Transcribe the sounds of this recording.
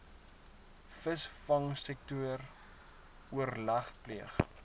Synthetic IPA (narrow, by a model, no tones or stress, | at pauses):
fəsfɐŋsɛk̚tuər | uərlɐχpliəχ